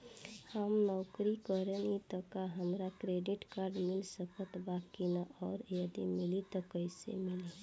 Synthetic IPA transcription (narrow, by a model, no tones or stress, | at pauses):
həmnɔʊkɾikəɾenit̪ɔkaɦəmɾakɾeɖɪʈkaɾɖmɪlsəkət̪bakinaʔɔːɾjəd̪ḭmɪlit̪ɔkəɪsḛmɪli